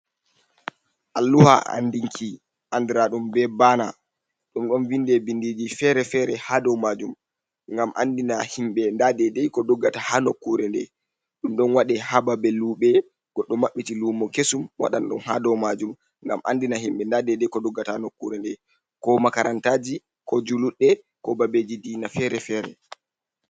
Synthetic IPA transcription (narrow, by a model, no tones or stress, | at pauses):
ʔalːuha̰a̰ndiŋkʰi | ʔandiɾaɗumbɛbaːna̰ | ɗumɗɔnvindɛbindid͡ʒifɛɾɛfɛɾɛhadɔwmad͡ʒum | ŋɡamʔa̰ndinahimɓɛndadɛdɛjkɔdɔɡːatahanokːuɾɛndɛ̰ | ɗumɗɔnwaɗɛhababɛluːɓɛ | ɡ̥ɔɗːɔmaɓːitiluːmɔkesumwa̰ɗa̰nɗɔ̰nhadɔwmad͡ʒum | ŋɡa̰mʔa̰ndinaɦimɓɛndadɛdɛjkɔdɔɡːataanokːuɾɛndɛ | kɔmakaɾantaːd͡ʒi | kɔd͡ʒuluɗːɛ | kɔbabed͡ʒidinafɛɾɛfɛːɾɛ̰